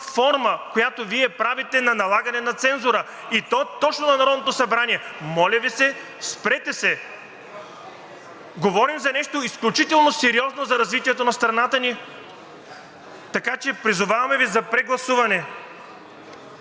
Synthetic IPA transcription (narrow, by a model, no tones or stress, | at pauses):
fɔɾməkojat̪oviɛpɾavit̪ɛnɐnɐlˠaɡɐnɛnɐt̪sɛnzʊɾə | it̪ɔt̪ɔt͡ʃnonɐnɐɾɔd̪not̪osɐbɾaniɛmɔlʲɐvisɛ | spɾɛt̪ɛsɛ | ɡovɔɾimzɐnɛʃt̪oisklʲut͡ʃit̪ɛlˠnosɛɾiɔznozɐɾɐzvit̪iɛt̪onɐst̪ɾɐnat̪əni | t̪ɐkat͡ʃɛpɾizʊvavɐmɛvizɐpɾɛɡlˠɐsuvɐnɛ